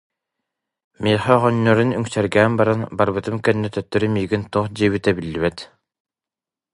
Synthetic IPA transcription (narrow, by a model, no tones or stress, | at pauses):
miːχɛʁɔnːɔɾynyŋsɛɾɡæːmbaɾanbaɾbɯt̪ɯmkɛnːɛt̪œt̪ːœɾymiːɡint̪uːχd͡ʑiːβit̪ɛbilːiβɛt̪